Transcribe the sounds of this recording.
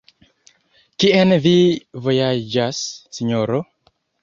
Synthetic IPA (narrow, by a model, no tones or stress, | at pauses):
kiɛnvivojad͡ʒasːiɲoɾo